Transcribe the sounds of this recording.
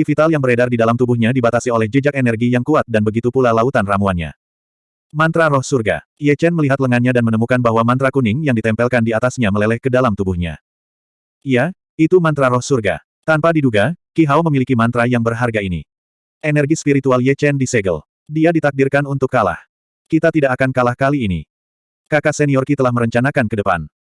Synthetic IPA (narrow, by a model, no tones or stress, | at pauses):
ifit̪aljaŋbəɾɛdardidalamt̪ubuhɲadibat̪asiolɛhd͡ʒəd͡ʒakenɛrɡijaŋkuat̪̚danbəɡit̪upulalaut̪anramuanɲa̰ | mant̪ɾaɾɔhsurɡa̰ | jɛt͡ʃɛnməliɦat̪ləŋanɲadanmənəmukanbaɦwamant̪ɾakunɪŋjaŋdit̪ɛmpɛlkandiat̪asɲaməlɛlɛhkədalamt̪ubuhɲa̰ | ija | it̪umant̪ɾaɾɔhsurɡa̰ | t̪anpadiduɡakiɦawməmilikimant̪ɾajaŋbərɦarɡainḭ | enɛrɡispiɾit̪ualjɛt͡ʃɛndisɛɡə̰l | diadit̪ak̚dirkanunt̪ʊkːala̰h | kit̪at̪idaʔakankalahkaliːnḭ | kakasɛniɔrkit̪əlahməɾəɲt͡ʃanakankədəpa̰n